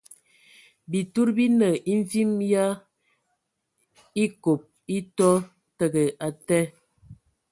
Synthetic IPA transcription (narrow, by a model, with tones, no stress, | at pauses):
bi˨tu˦ɾbi˦nə˨ʔi˦ɱ˦vi˦mja˦ | i˦ko˨p̚ | i˦tɔ˦ | tə˦ɡə˨ʔa˨tɛ˦